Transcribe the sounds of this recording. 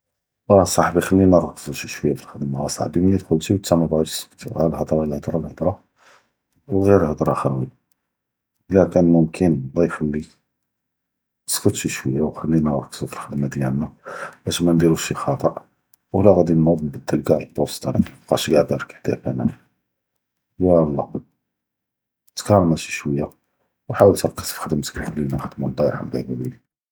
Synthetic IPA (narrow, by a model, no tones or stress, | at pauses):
ɑsˤɑħbixælːinəɾˤɑksˤuʃiʃwəjːafəlxəd̪maæsˤɑ̰ħbimnit̪xult̪iwt̪ːæmæb̪u̥sə̥kt̪ḭælhəd̪ˤɾˤɑlhəd̪ɾˤɑlhəd̪ɾˤɑ | wɣiɾəlhəd̪ɾˤɑxæɾwi | əlækænmʊmkʰənd̪ˤifəlːi | əskət̪ʃiʃwəjːawxælːinəɾˤɑksufilxəd̪mad̪jænːæbæʃmænd̪iɾuʃixɑt̪ˤəʔ | wlæɣæd̪innɑðˤːəmbəd̪ːəlɡæʕlbost̪ɑɾiqɑ̰ʃɡaʕd̪ɑɾˤkħt̪æ̰fæ̰næ̰ | jælˤːɑ̰ | t̪kɑɾːˤɑmæʃi̥ʃwəjːa | wħawəlt̪kːə̥sfxəd̪əmskəfəlinæxəd̪mund̪ˤɑjħa̰md̪æjbæbil